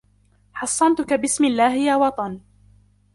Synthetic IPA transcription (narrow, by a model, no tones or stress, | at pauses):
ħɑsˤːɑnt̪ʊkabɪsmɪlːaːhɪjawɑt̪ˤɑn